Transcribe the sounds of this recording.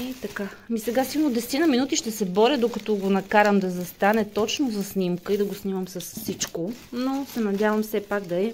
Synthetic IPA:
ɛt̪ɐkamisɛɡasilˠnod̪ɛsɛ̥t̪inɐminut̪iʃt̪ɛsɛbɔɾid̪okɐt̪ɔɡonɐkaɾəmd̪ɐzɐst̪anɛt̪ɔt͡ʃnozɐsnimkəid̪ɐɡosniməmsɐsfsit͡ʃkonosɛnɐd̪ʲjavəmfsɛpakd̪ɐɛ

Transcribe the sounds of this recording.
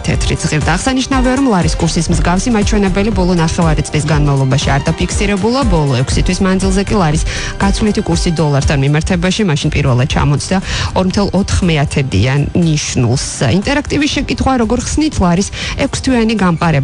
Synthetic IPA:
t̪ʰɛ̰t̪ʰɾit̪z̥ʁiɾd̪aːʁsaniʃnaviaɾɔmlˠaɾiskʼuɾsismzɡafsimat͡ʃʰwɛnɛbɛlibɔlˠɔnaχɛvaɾit̪sʼlisɡanmavlˠɔbaʃiaɾd̪apʰikʰsiɾɛbulˠabɔlˠɔɛkʷʰsit̪ʰwismand̪zilˠzɛkʼilˠaɾis | ɡ̥at̪sʰvlit̪ʰikʼuɾsid̪ɔlˠaɾt̪ʰanmimaɾt̪ʰɛbaʃimaʃinpʼiɾvɛlˠad̪̚t͡ʃʰa̰mɔt̪sʰd̪aɔɾmt̪ʰɛlˠɔt̪ʰχmɛat̪ʰɛd̪ḭanːiʃnṵlˠsint̪ʼɛɾakʰt̪ʼivisʃɛkʼit̪χwaɾɔɡɔɾχsnit̪ʰlˠaɾisɛkʷʰst̪ʰwianiɡamqʼaɾɛb

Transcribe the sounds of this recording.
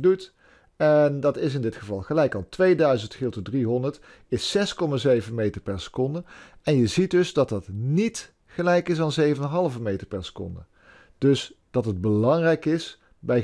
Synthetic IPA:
dut | ɛndɑtɪs̬ɪndɪtχəvɑlˠχəlɛjkɑlˠtʋejdœɥzəntχɪlˠtədriɦɔndəɹt | ɪsːɛskɔmaːzejvənmejtəɹpɛɹsə̥kɔndəɛnjəzit̚dɵzdɑt̚dɑtnit | χəlɛjkɪsɑnzejvənənɦɑlˠvəmejtəɹpɛɹsə̥kɔ̰ndə̰ | d̥ɵsd̥ɑtɦəd̚bəlɑŋrɛjkɪs | bɛj

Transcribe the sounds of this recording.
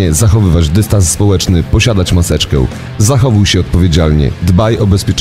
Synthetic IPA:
ɛzaxɔvɘvad͡ʑd̪ɛst̪ãnsːpɔwɛt͡ʂnɘpɔɕad̪at͡ɕmasɛt͡ʂkɛ̰̃ | zaxɔvujɕɛɔt̪̚pɔvʲjed͡ʑalɲɛ̰d̪bajɔbɛspʲjɛt͡ʂ

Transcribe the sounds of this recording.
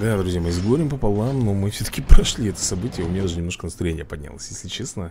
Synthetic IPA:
d̪ad̪ɾʊzʲjamɨzɡoɾʲɪmpəpɐlˠamno̞mɨfsʲot̪ə̥kʲɪpɾɐʂlʲiɛt̪ə̥sɐbɨtʲɪjəʊmʲɪnʲad̪aʐɨnʲɪmnoʂkənəst̪ɾɐjenʲɪjəpɐdʲnʲa̰lˠə̰sʲjesʲlʲɪt͡ɕesnə

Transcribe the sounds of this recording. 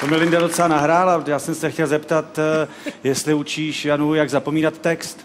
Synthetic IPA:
t̪omɪlɪndadot̪t͡sɛlanaɦɾaːlajaːsɛmsɛxcɛlzɛpt̪at̪ | jɛst̪lɪut͡ʃiːʃjanujaɡzapo̞miːnat̪ːɛkst̪

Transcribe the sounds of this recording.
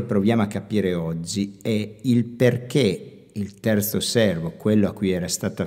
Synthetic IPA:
pɾovjaːmoakːapiːɾeɔd͡ʒːiɛilperke | ilt̪ɛrt̪sosɛrvokwelːoakːujɛːɾast̪aːt̪a

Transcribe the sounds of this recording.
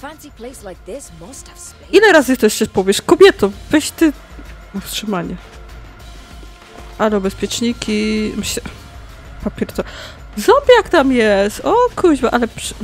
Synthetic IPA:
fãnsipʰleslaɪk̚ðɪ | ilɛɾazɨk̚t̪ɔɕt͡ɕɛpɔvʲjɛʂkɔbʲjɛt̪ɔ̃vɛɕt̪ɘ | ɔfstʂɨmaɲɛ | alɛubɛspʲjɛt͡ʂɲikʲʰimɨɕɛ | papʲɛɾt̪ɔ | zɔmbʲjakt̪amjɛst̪ɔkʰuʑbɛʔalɛpʂ

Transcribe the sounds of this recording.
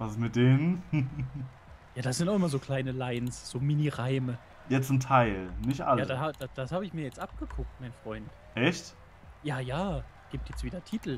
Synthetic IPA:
vasmɪt̚d̥eːnn | jaːd̥asz̥ɪntaʊʔɪmɐzoːkʰl̥aɪnəlaɪnsz̥oːminiʁaɪmə | jaːt͡sʊmtʰaɪlnɪçtʔa̰ljaːədahaːd̥ad̥ashaːbəɪçmiːɐjɛt͡stʔap̚ɡ̥əkʰʊk̚tmaɪnfʁ̥ɔʏnt | ʔɛçt | jaːjaːɡ̥iːp̚tjɛt͡stv̥iːdɐtʰiːtl̩

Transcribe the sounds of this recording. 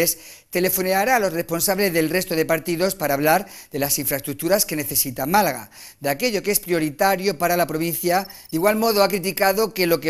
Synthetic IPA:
es | t̪e̞le̞fo̞neaɾalo̞sre̞spo̞nsaβle̞zðe̞lre̞st̪o̞ð̞e̞paɾt̪iðo̞spaɾaːβ̞laɾ | ðe̞lasiɱfɾaest̪ɾuk̚t̪uɾaske̞ne̞θe̞sit̪amalaɣa̰ | d̪eake̞ʎo̞kee̞spɾio̞ɾit̪aɾjo̞paɾalapɾo̞β̞in̟θjad̪iɣwalmo̞ð̞oakɾit̪̬ikaðo̞ke̞lo̞ke

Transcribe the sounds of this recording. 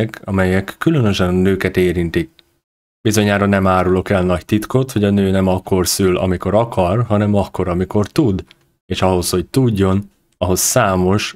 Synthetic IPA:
kɒmɛjɛkːylø̞nø̞ʃɛnnøːkɛt̪eːɾint̪ik̚ | b̥izo̞ɲaːɾonɛmaːɾulo̞kɛlnɒct̪it̪ko̞t̪ho̞ɟɒnøːnɛmɒkːo̞rsylɒ̰miko̞ɾɒkʰɒrɦɒnɛmɒkːo̞ɾɒmiko̞rt̪ud̪ | eːʃɒɦo̞sho̞ct̪uɟːo̞n | ɒɦo̞sːaːmo̞ʃ

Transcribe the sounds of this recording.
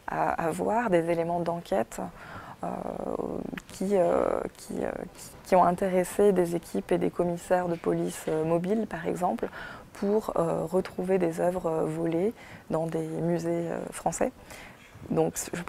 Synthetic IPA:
a̰a̰vwaʁd̪ezelemɑ̃d̪ɑ̃kʲʰɛt̪ | ø̰ | kʲʰiø̰kʲʰḭø̰kʲi̥kʲiɔ̃ɛ̃t̪eʁesed̪ezekʲʰiped̪ekɔmisɛʁd̪əpɔlisømɔbilpaʁɛ̰ɡzɑ̃plpʰuʁø̰ʁət̪χuved̪ezœvʁəvɔle | d̪ɑ̃d̪emyzeø̰fχɑ̃sɛ̰ | d̪ɔ̃kʒə

